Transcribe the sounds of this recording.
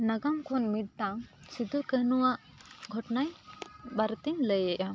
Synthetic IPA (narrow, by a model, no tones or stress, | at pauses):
nɐɡamkʰonmiɽ̚t̪ãŋsid̪ʱukəɦnuwa | ɡʱɔʈnajbɐɾt̪iŋləjeʔa